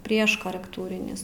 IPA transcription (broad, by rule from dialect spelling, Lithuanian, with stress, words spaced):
ˈpʲrʲiɛʃ koːrʲɛkˈtuːrʲɪnʲɪs